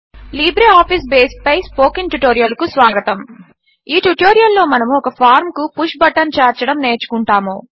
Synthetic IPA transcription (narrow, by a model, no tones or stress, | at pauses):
liːbɾeaːpʰis̬beːsʈ̚pɐjspo̞ːkiŋʈuʈoːɾijɐlkusʋaːɡɐt̪ɐm | iːʈuʈoːɾijɐlːo̞ːmɐnɐmɔkɐpʰaːɾmkupuʂbɐʈːɐnt͡ʃaːɾt͡ʃɐɽɐmne̞ːt͡ʃu̥kuɳʈaːmo̰ː